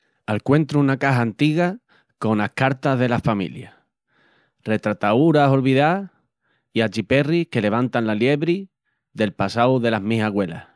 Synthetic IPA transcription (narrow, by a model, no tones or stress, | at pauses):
alkwẽ̞nt̪ɾuunakaɦaːnt̪iɣa | ko̞nahkaɾt̪aɦðe̞lafamḭlja | re̞t̪ɾat̪auɾaso̞lβiða | iat͡ʃipe̞rike̞le̞β̞ant̪anlalje̞βɾi | ðe̞lpasawðe̞laɦmiɦaɣwe̞la̰